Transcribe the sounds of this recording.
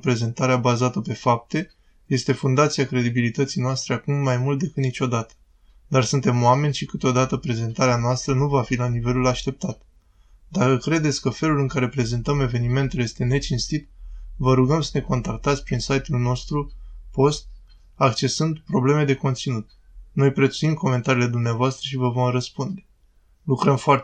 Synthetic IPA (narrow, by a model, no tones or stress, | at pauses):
pɾe̞ze̞nt̪aɾeabazat̪əpe̞fap̚t̪e̞ | je̞st̪e̞fund̪at̪siakɾe̞d̪ibilit̪ət̪sijnoast̪ɾe̞akumːajmult̪̚d̪e̞kɨt̪nit͡ʃo̞d̪at̪ə̥ | d̪arsunt̪e̞moame̞nʲʃikɨt̪od̪at̪əpɾe̞ze̞nt̪aɾeanoast̪ɾənuvafilanive̞lulaʃt̪e̞p̚t̪at̪ | d̪akəkɾe̞d̪e̞t̪sʲkəfe̞lulɨŋkaɾe̞pɾe̞zent̪əme̞ve̞nime̞nt̪ulje̞st̪e̞ne̞t͡ʃinst̪it̪vəɾuɡəmsəne̞ko̞nt̪ak̚t̪at̪sʲpɾinsajt̪ulno̞st̪ɾupo̞st̪̚ | akt͡ʃe̞sɨnd̪pɾo̞ble̞me̞d̪e̞ko̞nt̪sinut̪̚ | no̞jpɾet̪suimko̞me̞nt̪aɾile̞d̪umneavoast̪ɾəʃivəvo̞mrəspund̪e̞ | lukɾəmfoar